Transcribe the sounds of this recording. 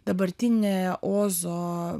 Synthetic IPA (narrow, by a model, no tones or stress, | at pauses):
d̪̥ɐbɐɾt̪ʲinʲɛʔoːzɔ